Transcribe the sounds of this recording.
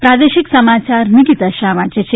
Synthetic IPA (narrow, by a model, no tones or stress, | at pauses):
pɾaːd̪eʃiksɐmat͡ʃaɾniɡit̪ɐʃaʋad͡ʒet͡ɕʰe